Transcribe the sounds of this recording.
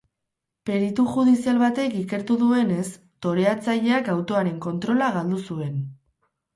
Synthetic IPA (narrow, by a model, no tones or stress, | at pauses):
pe̞ɾit̪uxuð̞isialβat̪e̞kike̞ɾt̪uðue̞ne̞s | t̪o̞ɾe̞at͡saʎe̞akawt̪o̞aɾe̞ŋko̞nt̪ɾo̞laɣald̪usue̞n